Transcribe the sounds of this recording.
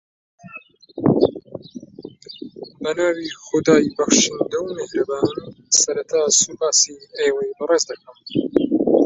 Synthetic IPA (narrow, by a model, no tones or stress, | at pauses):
bɐnaːwixʊd̪aːjbɐxʃind̪ɐwmehɾɐbaːnsɐɾɐt̪ʰaːsubaːsiejwɐjbɨreːzd̪ɐkɐm